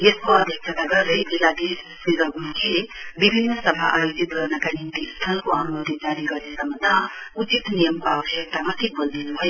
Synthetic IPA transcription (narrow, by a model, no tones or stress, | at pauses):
eskoəd̪ʱjəksʰət̪əɡəɾəjbʱilad̪essiɾəɡunkʰebibʱinːəsəbʱa̰ʔajud͡ʒit̪̚ɡʱəɾnakanint̪ist̪ʰəlkoənumot̪it̪̚d͡ʒaɾikəɾesəməd̪aut͡ʃit̪nijəmpabɦet̪amat̪ʰik̚bəld̪ʱinbʱəj